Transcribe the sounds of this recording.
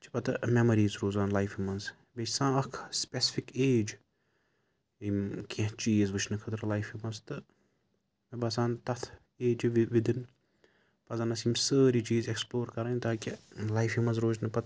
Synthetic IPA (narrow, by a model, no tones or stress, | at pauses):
t͡ʃʰi̥pɐt̪ɨmɛmɐɾiːzɾoːzaːnlajfimɐnz | beʃʲsãːɐkʰspʲesi̥fikeːd͡ʒ | imkʰʲẽɦt͡ʃiːzʋɨt͡ʃʰnɨkʰɐt̪ɾlajfimɐnzt̪ɨ | mɐbɐsãːnt̪ɐt̪ʰ | eːd͡ʒʋʋid̪in | pɐzɐnɐsimʲsəːɾit͡ʃiːzeksploːɾkɐɾɐnʲt̪aːkʲilajfimɐnzɾoːd͡ʒnɨpɐt̪